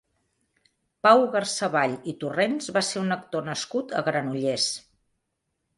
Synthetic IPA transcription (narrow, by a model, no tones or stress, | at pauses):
pawɣərsəβaʎit̪urenzβaseunək̚t̪onəskut̪ə̰ɣɾənuʎes